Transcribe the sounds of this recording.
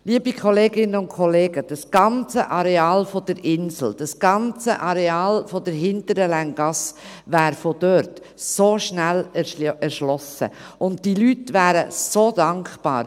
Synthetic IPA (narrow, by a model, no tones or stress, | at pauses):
liəbikʰχɔleːɡɪnəʊnt̚kʰɔleːɡəd̥ɑsɡ̥ɑnt͡səʔɑɾeɑːlfɔd̥əɾɪnsl̩d̥ɑsɡ̥ɑnt͡səʔɑɾeɑːlfɔdəɾɦɪntəɾəlæŋɡ̥ɑsʋæːɾfod̥øɾt | soːʃnælɛɾʃlɔsə̰ | ʊnttilytʋæːɾəsod̥ɑŋkχb̥ɑ̰ːɾ